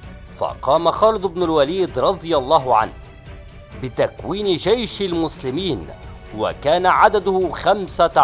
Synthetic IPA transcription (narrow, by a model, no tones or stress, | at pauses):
fɑ̰qɑːmaxɑːlɨd̪ˤbnʊlwaliːd̪ɾˤɑd̪ˤɨjɑlˤːɑːɦʊʕa̰nh | bɪt̪akwiːnɪd͡ʒajʃalmʊslɪmiːn | wa̰kaːnaʕad̪ad̪ʊhxamsa